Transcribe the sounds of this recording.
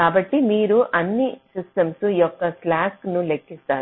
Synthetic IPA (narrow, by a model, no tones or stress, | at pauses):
aːbɐʈːimiːɾuʔɐnːisisʈɐmsujɔkːɐslaːknulekːist̪aːɾ